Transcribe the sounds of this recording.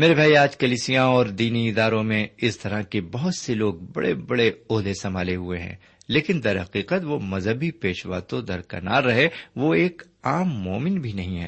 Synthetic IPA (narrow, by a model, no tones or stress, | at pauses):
meːɾebʱaːiaːd͡ʒkɐliːsijãɔːɾd̪iːniɪd̪aːɾõmẽɪst̪ɐɾakebɐɦʊt̪seloːɡ̚bɐ̰ɽḛbɐɽeoːɦd̪esɐm̤aːleɦueɦɛ̰̃ː | leːkɪnd̪ɐɾɦɐqiːqət̪ʋomɐzɦəbʱipeːʃʋa̰ːt̪õd̪ɐɾkɐ̰na̰ːɾːɐɦeʋoeːk | aːmːɔːmɪnbʱinɐɦĩɦɛ̰ː